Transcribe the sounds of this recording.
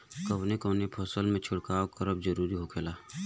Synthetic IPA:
kɐwnekəːnepʰɔːsəlmẽt͡ʃʰʊɽkaːokɐɾəbzəɾuːɾiɦokʰeːlaː

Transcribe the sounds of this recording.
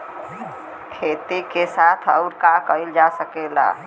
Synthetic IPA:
kʰet̪ekesat̪ʰə̰ʊɾkakəild͡ʒasəkela̰

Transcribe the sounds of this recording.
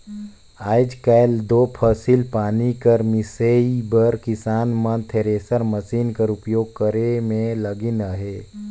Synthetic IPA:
aːjd͡ʒkajld̪oːpʰəsilpaːnikəɾmiseibəɾkɪsaːnmə̃nt̪ʰeɾeːsəɾməsiːnkəɾupjoːɡ̚kəɾemẽləɡinəɦeː

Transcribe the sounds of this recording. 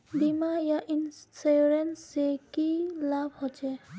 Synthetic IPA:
bimajaʔinsseɾensekilabʱhot͡ʃʰɛ

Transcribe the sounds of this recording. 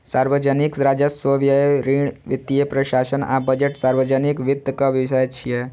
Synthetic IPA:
saɾʋəd͡ʒənikɾad͡ʒəsʋəʋjəɾiɳʋit̪ːijepɾəɕasəna̰bəd͡ʑeʈsaɾʋəd͡ʒənikʋid̪əkaʋjiʋsajt͡ʃʰije

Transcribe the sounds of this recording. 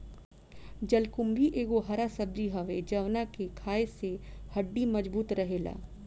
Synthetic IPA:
d͡ʒɐlkʊmbiʔeːɡoɦɐɾasɐb̚d̪iɦɐʋed͡ʒɐʋnakekʰaːesehɐɖːimɐd͡ʒbuːt̪ɾɐɦeːla̰ː

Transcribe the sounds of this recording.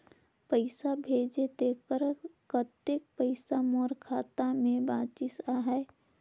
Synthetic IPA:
pəɪsabʱed͡ʒed̪ekəɾkət̪ek̚pəɪsamoːɾkʰaːt̪amẽbãːt͡ʃɪsaɦɛ

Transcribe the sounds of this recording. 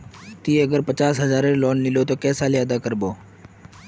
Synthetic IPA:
t̪iːəɡəɾpət͡ʃaːsɦəzaːɾeloːnlɪloːt̪oːkɛːsaːliəd̪aːkəɾboː

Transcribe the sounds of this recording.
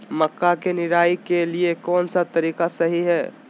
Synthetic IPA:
məkːakenɪɾaːikeliekɔːnsat̪əɾiːkasəɦiɦɛː

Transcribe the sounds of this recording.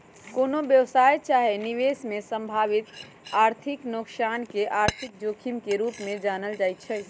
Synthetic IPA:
konobjəʋsajt͡ʃaɦeniʋesmesəmbʱaʋit̪ | aɾt̪ʰiknoksankeʔaːɾt̪ʰik̚d͡ʒoːkʰimkeɾupmẽd͡ʒanəld͡ʒajt̪̚t͡ʃʰɛ

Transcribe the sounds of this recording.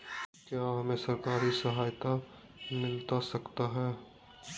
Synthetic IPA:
kjaːɦɐmẽsɐɾkaːɾisɐɦaːjt̪a | mɪlt̪asɐkt̪aɦɛː

